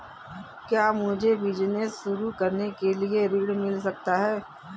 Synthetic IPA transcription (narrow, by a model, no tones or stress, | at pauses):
kjaːmʊd͡ʒʱeʋɪd͡ʒnəsʃʊɾukɐɾnekelieɾɪɽmɪlsɐk̚t̪aɦɛː